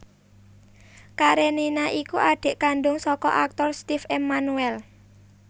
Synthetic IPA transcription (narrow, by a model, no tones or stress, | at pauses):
kaɾeninaʔikuʔaɖ̥e̤ʔkanɖʊŋsɔkɔ̰ʔak̚t̪ɔrst̪ifemanuɛl